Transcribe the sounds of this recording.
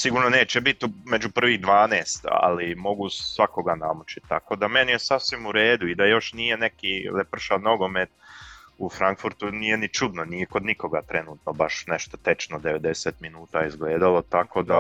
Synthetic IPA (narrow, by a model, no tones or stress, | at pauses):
siɡuːɾno̞ne̞ːt͡ʃebit̪umed͡ʒupr̩ʋiːɣd̪ʋaːneːst̪a̰limo̞ɡusʋako̞ɡanamut͡ʃi̥t̪t̪a̰ko̞ːd̪ame̞nijesasʋimuɾe̞ːd̪uid̪ajo̞ʃnije̞ne̞kiːlepr̩ʃalno̞ɡo̞met̪̚ufɾaŋkfuɾt̪uniːjenit͡ʃud̪noniːjeko̞d̪niko̞ɡat̪ɾe̞nuːt̪nobaʃne̞ʃt̪ot̪e̞t͡ʃnod̪eʋe̞d̪e̞seːt̪minuːt̪aːizɡleːd̪alo̞t̪ako̞ːd̪a